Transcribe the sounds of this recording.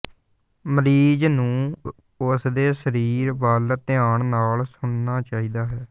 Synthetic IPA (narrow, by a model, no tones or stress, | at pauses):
məɾiːd͡ʒnũː | ʊsd̪eːsəɾiːɾbəlt̪ɪaːɳnaːlsʊɳnaːt͡ʃaːiːd̪aːɦɛː